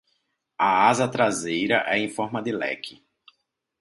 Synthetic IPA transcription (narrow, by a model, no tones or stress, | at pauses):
ɐazɐt̪ɾazejɾɐʔɛẽfɔɾmɐd̪ɪlɛ̰kʰɪ